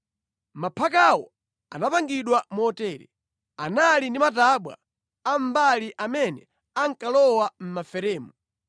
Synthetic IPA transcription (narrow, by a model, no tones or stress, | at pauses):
mapʰakawɔ̰ | anapaŋɡiɗwamuɔtɛːɾɛ̰ | analindimataɓwa̰ | am̩baliʔamɛnɛ | aŋkalɔwam̩mafɛɾɛːmu